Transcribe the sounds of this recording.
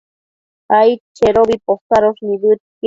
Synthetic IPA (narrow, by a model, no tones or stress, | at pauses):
ajt͡ʃeɾobiposaɾosnibut̪̚k